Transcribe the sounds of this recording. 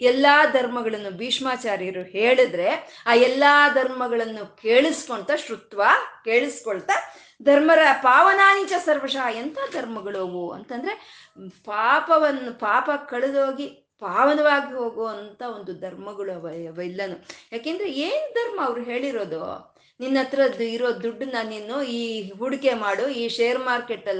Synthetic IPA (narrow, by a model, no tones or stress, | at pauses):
ɛlːaːd̪ʱɐɾmɐɡɐɭɐnːubiːʂmaːt͡ʃaːɾjɐɾuheːɭid̪ɾe̞aːɛlːaːd̪ʱɐɾmɐɡɐɭɐnːukeːɭisi̥koɳt̪ɐʃɾut̪ʋake̞ːɭisi̥koɭt̪ɐ | d̪ʱɐɾmɐɾɐpaːʋɐnaːnit͡ʃɐsɐɾʋɐʂaːɛnt̪ʰad̪ʱɐɾmɐɡɐɭoːɡoɐ̰nt̪ɐnd̪ɐɾe | paːpɐʋɐnːupaːpɐkɐɭed̪o̞ːɡi | paːʋɐnɐʋaːɡiɦo̞ːɡoːɐnt̪ɐo̞nd̪ud̪ʱɐɾmɐɡɐɭuɐʋɐʋɐilːɐnujaːkeːnd̪ɐɾe̞eːnud̪ʱɐɾmɐːʋɐɾuɦe̞ːɭiɾo̞ːd̪o̰ | ninːɐt̪ːɐɾɐd̪iɾoːd̪uɖːunːɐninːuiːɦuɽike̞maːɽuiːʃeːɐɾmaːɾkeʈːɐlː